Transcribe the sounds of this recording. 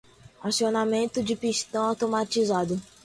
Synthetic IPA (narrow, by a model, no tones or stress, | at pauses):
asionamẽnt̪ʊd͡ʒɪpiʃt̪ɐ̃w̃awt̪omat͡ʃizad̪ʊ